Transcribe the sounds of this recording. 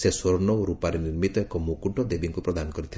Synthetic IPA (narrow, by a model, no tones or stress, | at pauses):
sesɔɾɔnɔwɾupaɾeniɾmit̪ɔekɔmukuɳʈɔd̪ebiŋkupɾɔd̪anɔkɔɾit̪ʰil